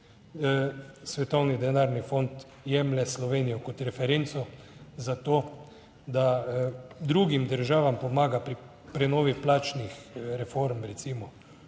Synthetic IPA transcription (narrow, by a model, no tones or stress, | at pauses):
sʋɛt̪ɔwnid̪ɛnaɾnifont̪ | jɛmlɛslɔʋeːnijɔkɔt̪ɾɛfɛɾent̪sɔ | zat̪oː | d̪a | d̪ɾuɡimd̪əɾʒaːʋampɔmaːɡapɾi | pɾɛnɔːʋiplaːt͡ʃnixɾɛfoɾmɾɛt̪simɔ